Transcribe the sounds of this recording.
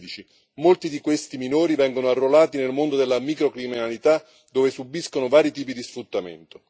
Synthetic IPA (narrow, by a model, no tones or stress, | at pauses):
d̪it͡ʃi | molt̪id̪ikwest̪iminoːɾivɛŋɡonoarːolaːt̪inelmond̪od̪elːamikɾokɾiminalit̪a | d̪oːvesubːiskonʊvaːɾit̪iːpid̪isfɾut̪ːamḛnt̪o